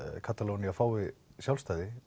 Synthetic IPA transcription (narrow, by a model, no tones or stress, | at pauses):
kʰat̪alowniafaːwɪsjawlst̪aːjðɪ